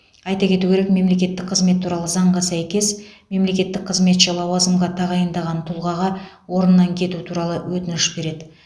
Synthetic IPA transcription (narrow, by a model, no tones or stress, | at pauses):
ɑjt̪ɑkʲʰe̞t̪ukʲʰe̞ɾe̞kme̞mle̞kʲe̞t̪ːɪk̚qʰəzme̞t̪ʰːuɾɑlˠəzɑɴʁɑsæjkʲe̞sme̞mle̞kʲe̞t̪ːɪk̚qʰəzme̞t̪ʒelˠɑwɑzəmʁɑt̪ʰɑʁɑjənd̪ɑʁɑnt̪ʰʊlˠʁɑʁɑ | wo̞ɾənːɑŋkʲʰe̞t̪ut̪ʰuɾɑlˠəwɵt̪ɪnɪʃbe̞ɾe̞d̪ɪ